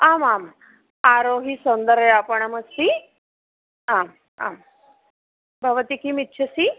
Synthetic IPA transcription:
amam | aɾoɦisənd̪əɾeapəɳaməst̪i | am | a̰m | bʱəʋət̪ikʰiːmit̪̚ːɕʰəsi

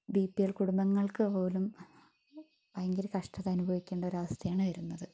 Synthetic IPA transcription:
biːpːijɐɭkuɽumbɐŋːɐɭkɨpo̞ːlum | ɐɐŋɡilkɐʂʈɐðɐnubʱɐʋikʲːeːɳɖɐo̞ɾɐʋɐst̪ʰɐjaːɳɨʋɐɾunːɐðɨ

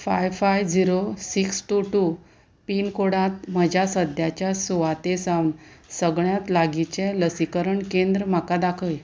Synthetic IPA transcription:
fa̰jʋfajd͡ziɾosiksʈuʈu | piːnkoɽat̪m̤əd͡ʑʱasəd̪ʱjat͡ɕjasuʋat̪esãwnsəɡɭjat̪laɡit͡ɕeləsikəɾəɳkend̪ɾəm̤akad̪akʰəj

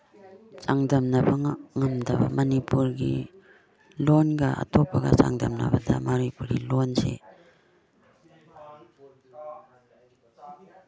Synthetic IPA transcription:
t͡ʃaŋdɐmnɐbɐŋŋɐmdɐbɐ̰mɐnipuɾɡḭ | lonɡɐʔa̰tʰopːɐɡɐt͡ʃa̰ŋdɐmnɐ̰bɐda̰maɾujpuɾilonsḛ

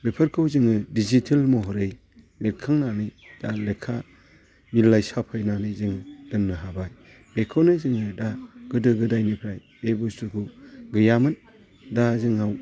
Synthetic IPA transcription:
bepʰɐɾkʰɯwzɯŋɯdizitʰelmɔɦɔɾɯj | lekʰːaŋnanɯjd̥alekʰːa | milːajsapʰɯjnanɯjzɯŋdɯnːɯɦabaj | b̥ekʰonɯzɯŋɯdaɡ̥ɯdɯɡɯdajnipʰɾaj | bebɔstuɾkʰuɡɯjamɯn | dazɯŋaw

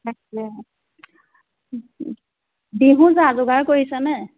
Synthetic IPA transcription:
akɛ | biɦũzazʊɡaɹkoɹisɛnɛ

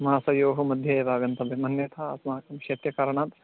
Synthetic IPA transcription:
maaːsɐjoːɦomɐd̪ʱjɐːʋaːɡɐnt̪ɐbɐmɐnjɐt̪ʰa̰smaːkɐmkʃeːt̪jɐkaːɾɐɳaːt̪

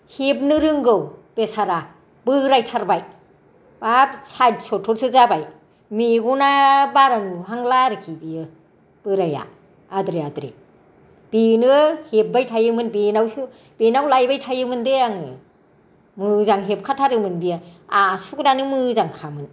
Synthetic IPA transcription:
hep̚nɯɾɯŋɡɯwb̥esaɾa | bɯɾajtʰaɾbaj | bap̚sad̚sɔtʰːɔɾsɯzabaj | miɡunabaɾanuɦaŋlaɾɯkʰibijɯ | b̥ɯɾaja̰ | adɾeadɾḛ | b̥enɯhep̚bajtʰajɯmɯnbenawsɯ | b̥enawlajbajtʰajɯmɯndeaŋɯ | mɯzaŋɦep̚kʰatʰaɾɯmɯnbijɯasuɡnanɯmɯzaŋkʰamɯn

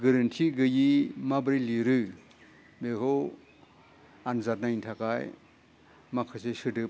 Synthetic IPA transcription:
ɡɯɾɯntʰiɡɯjimabɾiliɾɯ | beɦo | anzat̚najntʰakaj | makʰɯsesɯdɯ

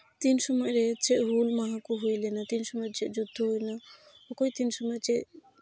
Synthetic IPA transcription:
t̪insɔmɔjɾɛt͡ʃɛʔɦulmaɦãkuɦujlɛnat̪insɔmɔjɾt͡ʃɛʔd͡ʒud̪ʱːɔɦujna | ɔkojt̪insɔmɔjt͡ʃɛʔ

